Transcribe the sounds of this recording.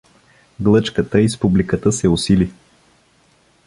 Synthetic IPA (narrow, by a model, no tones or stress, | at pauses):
ɡlˠɤt͡ʃkət̪əispublikət̪əsɛʊsili